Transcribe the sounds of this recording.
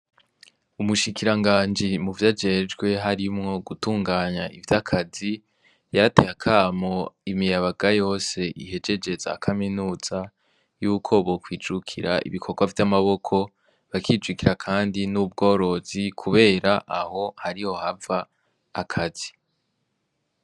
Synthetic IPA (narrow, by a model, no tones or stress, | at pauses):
umuʃikiɾaŋɡaːnd͡ʒimuvjad͡ʒe̞d͡ʒɡwe̞ɦaɾimŋo̞ɡutuːŋɡaːɲaʔivjakʰazi | jaɾate̞hakʰaːmo̞imijaβaɡajo̞ːse̞ʔihe̞d͡ʒe̞d͡ʒe̞zakʰaminuːz̥a | juːkʰo̞βokwiːd͡ʒukʰiɾaʔḭβikʰo̞ɡwavjamaβo̞kʰo̞ | βakiːd͡ʒwikiɾakʰaːndinub̚ɡo̞ːɾo̞zikʰuβe̞ːɾaʔaho̞haɾiho̞havaː | kʰaz̥i